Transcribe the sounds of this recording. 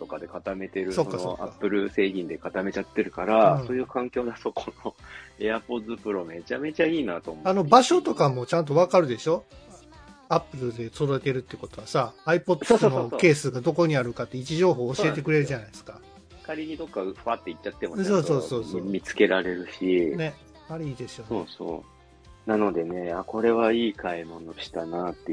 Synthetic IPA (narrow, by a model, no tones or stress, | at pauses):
t̪o̞kad̪e̞kat̪ame̞t̪e̞ɾɯsokskːasoa̰apːɯ̟ɾɯ̟se̞ːɡʲĩnd̪e̞kat̪ame̞t͡ɕat̪ːe̞ɾɯ̟kaɾãso̞ːjɯ̟ːkãŋkʲo̞ːd̪at̪o̞kʰonoe̞apo̞zɨpɯ̟ɾo̞me̞t͡ɕame̞t͡ɕaiːnat̪oːmoano̞baɕo̞t̪o̞kamo̞t͡ɕãnt̪̬o̞βakaɾɯ̟d̪e̞ɕo̞ | apːɯ̟ɾɯ̟d̪e̞soɾoet̪e̞ɾɯ̟t̪ːeiɯ̟ko̞t̪oβasaːipo̞t̪ːsno̞ke̞ːsɨɡad̪o̞ko̞ɲ̟iaɾɯ̟kat̪ːe̞it͡ɕiʑo̞ːɦo̞ːɕiet̪ekɯ̟ɾe̞ɾɯ̟ʑanaisɨ̥ka | kaɾʲiɲ̟id̪o̞kːaɸɯβat̪ːeitːat̪ːemso̞ːso̞ːso̞ːsoːmʲit͡sɨ̥ke̞ɾaɾe̞ɾɯ̟ɕine̞ | aɾeiːd̪e̞sɨjosoːso̰ː | nano̞d̪e̞ne̞ako̞ɾe̞βaiːkʰaimo̞no̞ɕi̥t̪anat̪ːe